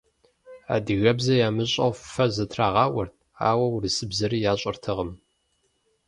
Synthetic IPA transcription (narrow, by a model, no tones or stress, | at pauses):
a̰ːdɨɣɐbzɐjaːmɨɕʼɐ̰wffɐzɐtʰraːʁɑːwɐrtʰa̰ːwɐwɾisɨbzɐɾijaːɕʼɐrtʰɨʁəm